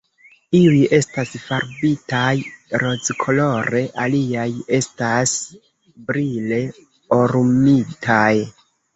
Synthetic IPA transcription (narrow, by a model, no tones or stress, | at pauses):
iuje̞stasfaɾbitajɾo̞d͡zkʰo̞lo̞ɾe̞ʔaliaje̞stas | bɾile̞ | oɾmitʰaj